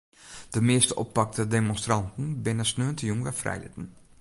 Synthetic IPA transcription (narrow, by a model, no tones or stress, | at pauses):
d̥əmɪəstəʔɔ̰pːɑk̚tədemonstrɑntən̩bɪnəsnøːəntəjuŋʋɛfrɛ̰jlɪ̰tn̩